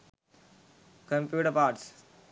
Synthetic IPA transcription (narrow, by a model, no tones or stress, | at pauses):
kə̃mpjuːʈəɾpaːʈs